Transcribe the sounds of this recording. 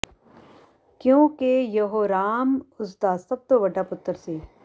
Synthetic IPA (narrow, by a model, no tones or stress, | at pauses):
kjõːkejɐɦoːɾaːmʊsd̪aːsɐb̚t̪oʋɐɖaːpʊt̪ːəɾseː